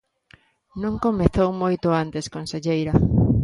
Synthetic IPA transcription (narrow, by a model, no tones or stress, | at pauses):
nõŋkomeθowmojt̪ʊant̪eskonseʎejɾɐ